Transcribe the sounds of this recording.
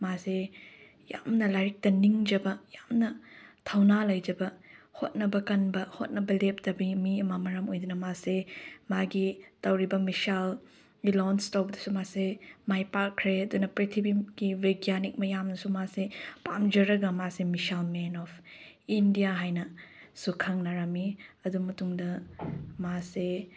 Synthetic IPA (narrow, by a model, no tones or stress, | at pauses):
mase | ja̰mnɐlaɾik̚tɐniŋd͡ʒɐbɐjamnɐtʰɐwnalɐjd͡ʒɐbɐhot̚nɐbɐkɐnbɐhot̚nɐbɐlep̚dɐbimiɐmɐmɐɾɐmojdunɐmasemaɡitɐwɾibɐmisal | ilɔnstɐwbɐdɐsumasemajpakʰːɾeɐdunɐpɾitʰibiɡ̥iveɡijanik̚mɐjamnɐsumasepamd͡ʒɐɾɐɡɐmasemisalmenɔpʰ | indijaɦajnɐsukʰɐŋnaɾamiɐdumɐtuŋdɐmase